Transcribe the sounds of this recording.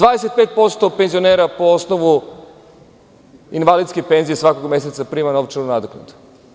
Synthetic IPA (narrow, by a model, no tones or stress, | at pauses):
d̪vaːd̪ese̞t̪̚peːt̪̚po̞st̪o̞penzioneɾapo̞o̞snoʋu | inʋalid̪skepe̞nziesʋakoɡme̞set̪sapɾiːmanoʋt͡ʃenunad̪oknet̪u̥